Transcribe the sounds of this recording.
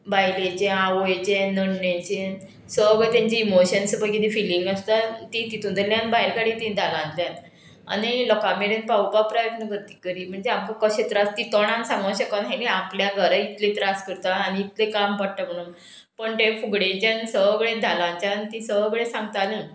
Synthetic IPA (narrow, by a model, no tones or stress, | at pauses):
bajlet͡ɕẽaʋojt͡ɕẽnəɽnət͡ɕẽ | səɡɭet̪jãɲt͡ɕiːmoɕənsəbəɡit̪ifiliŋɡast̪at̪it̪it̪ʰũnd̪ʱeljãnbaɦiɾkaɽĩt̪ĩd̪ʱalãnt̪ljãn | a̰nilɔkameɾenpawpapɾajət̪nəkəɾt̪i̥ːkəɾiːm̤əɳd͡zeamkakəɕet̪ɾast̪it̪ɔɽ̃ãnsãməɕəkənɦanĩapljaɡʱəɾait̪let̪ɾaskəɾt̪aːniːt̪lekampaɽʈ̪am̤əɽ̃uːn | pəɳt̪ẽfuɡɽet͡ɕensəʋəɡɭẽd̪ʱalãɲt͡ɕanit̪ĩsəʋɡɭesãŋɡt̪ana